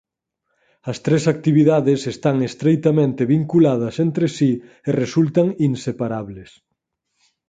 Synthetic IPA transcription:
ɐst̪ɾesak̚t̪iβiðaðesest̪aŋest̪ɾejt̪amẽnt̪eβiŋkulað̞ɐsent̪ɾesi | eresult̪aŋinsepaɾaβles

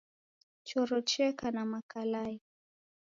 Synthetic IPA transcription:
t͡ʃɔɾɔt͡ʃɛkanamakalai

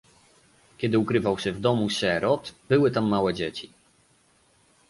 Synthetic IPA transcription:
kʲɛd̪ɘukɾɘvawɕɛvd̪ɔmuɕɛɾɔt̪bɘwɘt̪amːawɛd͡ʑet͡ɕi̥

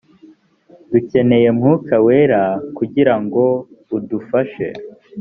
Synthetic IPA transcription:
duce̞ne̞je̞mŋuːkawe̞ɾakuɟiɾaŋɡo̞udufaʃe̞̰

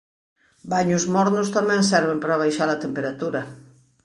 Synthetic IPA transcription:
baɲʊzmɔɾnʊst̪amɛ̃ŋsɛɾβempɾaβ̞ajʃaɾɐt̪empeɾat̪uɾɐ

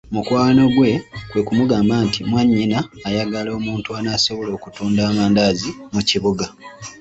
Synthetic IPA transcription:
mukwaːno̞ɡwe̞kwe̞kumuɡaːmbaːntimwaɲːinaːjaɡalo̞ːmuːntuanaːso̞βolo̞ːkutuːndaːmaːndaːzimuciβuɡa

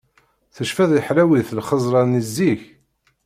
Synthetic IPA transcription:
θəʃfæðħlæwiθlχəzˤɾˤɑnizːiç

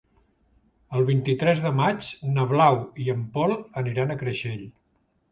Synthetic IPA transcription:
əlˠβint̪it̪ɾɛzðəmat͡ʃnəβlawiəmpɔlˠəniɾanəkɾəʃeʎ

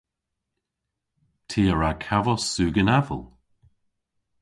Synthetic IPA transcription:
tʰiːəɹakʰavəsʉːɡənavə̰lˠ

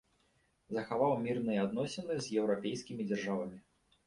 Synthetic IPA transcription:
zɐxavawmʲirnɨjɛad̪nɔsʲɛnɨzʲjɛwɾapʲeɛjskʲimʲid͡zʲarʐavɐmʲi

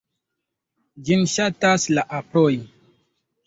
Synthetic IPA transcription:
d͡ʒinʃataslaʔapɾoj

